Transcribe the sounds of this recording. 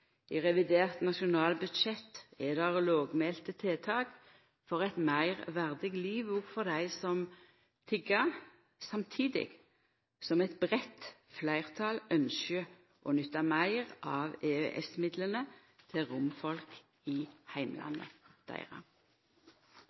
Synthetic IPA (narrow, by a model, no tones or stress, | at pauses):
ɪʁɛʋɪd̪eːʁt̪nɑʃʊnɑːlbʉd̪ʃɛt̪ɛd̪ɛʁloːɡmeːlt̪ət̪ʰeːt̪ʰɑːɡ | fɔʁɛt̪mæɪʁʋæʁd̪ɪɡliːʋuɡfɔʁd̪æɪsɔm | t̪ʰɪɡɑ | sɑmt̪ʰiːd̪ɪ̰ɡ̥ | sɔmɛt̪bʁɛt̪flæɪʁt̪ʰɑlœnʃə | ʔɔnʏt̪ːɑmæɪʁɑːʋeːøʔɛ̰smɪd̪lənə | t̪ʰɪʁʊmfɔlk | ɪhæɪmlʔɑ̰nːə̰d̪̥æ̰ɪʁɑ̰